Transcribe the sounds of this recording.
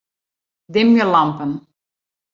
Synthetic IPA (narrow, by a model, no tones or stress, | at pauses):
dɪmjəlɑmpən